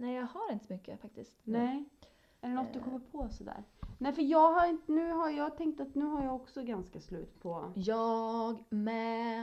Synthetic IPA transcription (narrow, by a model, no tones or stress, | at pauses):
nɛɪjɑɡhaɾɪnt̪əsɔmʏkːə̰fak̚t̪ɪst̪nɛɪ | ɛlɖɛnɔt̪d̪ɵkʰɔmːəɾpʰɔsɔd̪æ̰ːɾnɛfœɾjɑːɡɦaɾɪnt̪ənʉ̟ːɦajɑːɡt̪ʰɛŋk̚t̪at̪nʉ̟ːhaɾjɑːɔksɔɡanskaslʉ̟ːt̪pʰɔjɑɡmɛ